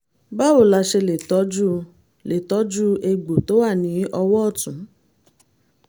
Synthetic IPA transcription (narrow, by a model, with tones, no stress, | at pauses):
ba˦wo˦˨la˧ʃe˧le˨tɔ˨˦d͡ʒu˦ | le˨tɔ˨˦d͡ʒu˦ʔe˧ɡ͡bo˨to˨˦wa˦˨nĩ˨˦ʔɔ˧wɔ˦ɔ˦˨tũ˨˦